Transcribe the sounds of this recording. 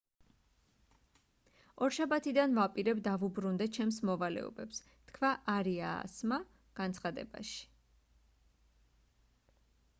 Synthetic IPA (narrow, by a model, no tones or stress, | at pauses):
ɔɾʃabat̪ʰid̪anvapʼiɾɛbd̪avubɾund̪ɛt͡ʃʰɛmsmɔvalɛ̰ɔ̰bɛps | t̪ʰkʰvaʔaɾia̰ːsma | ɡ̥ant̪sʰχad̪ɛ̰ba̰ʃi̥